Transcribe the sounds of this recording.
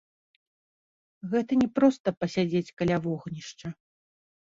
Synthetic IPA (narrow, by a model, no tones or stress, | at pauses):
ɣɛt̪ɐnʲɛpɾɔst̪ɐpɐsʲad͡zʲet͡sʲkalʲavɔɣnʲiʂt͡ʂɐ